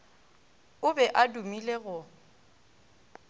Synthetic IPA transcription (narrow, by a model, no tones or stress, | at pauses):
ʊbɛʔadumileɣʊ